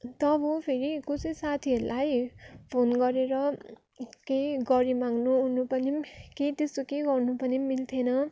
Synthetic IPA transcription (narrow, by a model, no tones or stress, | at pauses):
t̪ʌbʌpʰeɾikusesat̪ʰiʌɾulʔajpʰonɡʌɾeɾʌ | keɡʌɾimaŋnuɦunupʌniket̪est̪okeɡʌrnupʌnimilt̪ʰenʌ